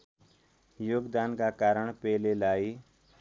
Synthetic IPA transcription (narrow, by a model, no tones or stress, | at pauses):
joːɡd̪aːnkaːkaːɾəɳpɛːlelaːiː